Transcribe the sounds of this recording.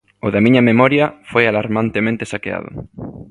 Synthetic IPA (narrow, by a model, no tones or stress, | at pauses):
ʊðɐmiɲɐmemɔɾjɐfojalaɾmant̪emẽnt̪esakea̰ðʊ̰